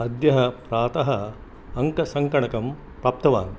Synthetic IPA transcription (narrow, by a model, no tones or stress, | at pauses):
ɐd̪jɐɦɐpɾaːt̪ɐɦɐ | ɐŋkɐsɐŋkɐɳɐkɐm | pɾaːp̚t̪ɐʋaːn